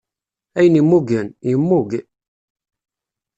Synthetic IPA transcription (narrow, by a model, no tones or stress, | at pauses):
æjənimːuɡənimːuɡ